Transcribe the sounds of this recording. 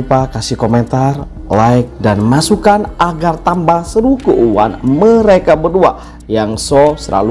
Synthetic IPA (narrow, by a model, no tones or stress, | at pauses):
upakasihkoment̪ar | lajk̚danmasukanʔaɡart̪ambahsəɾukəʔuwa̰nməɾekabərdua̰ | jaŋsosəla̰lu